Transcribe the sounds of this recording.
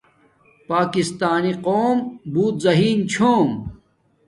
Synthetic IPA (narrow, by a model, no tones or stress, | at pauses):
paːkist̪aːniqoːmbuːt̪zɐɦiːnt͡ɕʰoːm